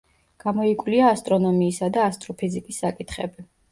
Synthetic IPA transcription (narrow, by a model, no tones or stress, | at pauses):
ɡ̥amɔikʼwliaːst̪ʼɾɔnɔmiːsad̪aːst̪ʼɾɔpʰizikʼisːakʼit̪ʰχɛ̰bi